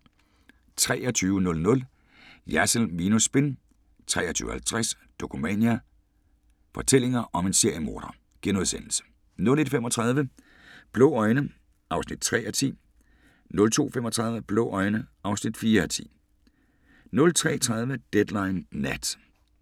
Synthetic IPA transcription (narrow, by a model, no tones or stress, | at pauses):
t͡sʰʁɛ̰ːɐt͡sʰyːʊənɔ̽lnɔ̽l | jæsl̩miːnusb̥e̝n | t͡sʰʁɛ̰ːɐt͡sʰy̰ːʊhælt͡sʰʁas | d̥o̝kʰumɛ̰njæ | fɒ̽t͡sʰel̰e̝ŋɐʔɒ̽me̝nse̝ɐ̰jəmo̝ːɾ̥ɐ | ɡ̥enoðˠsen̰l̩sə̥ | nɔ̽le̝d̥femɒt͡sʰʁɑ̈ð̞ˠʋə | b̥lɔ̰ʊɒ̽ɪnə | ʔɑ̈ʊsnid̥̚t͡sʰʁɛ̰ːʔɒt͡sʰḭː | nɔ̽lt͡sʰo̝̰ːfemɒ̽t͡sʰʁɑ̈ðˠʋəb̥lɔ̰ːʔɒ̽ɪnəʔɑ̈ʊsnid̥fiːɐt͡sʰḭː | nɔ̽lt͡sʰʁɛ̰ːt͡sʰʁɑ̈ð̞ˠʋəd̥ed̥lɑ̈ɪnːæd̥